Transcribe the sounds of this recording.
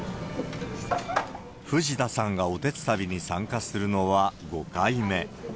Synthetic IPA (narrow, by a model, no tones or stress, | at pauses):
ɸɯ̟ʑit̪asãŋɡao̞t̪e̞t͡sɨ̥t̪abʲiɲ̟isãŋkasɨɾɯ̟no̞βaɡo̞kaime̞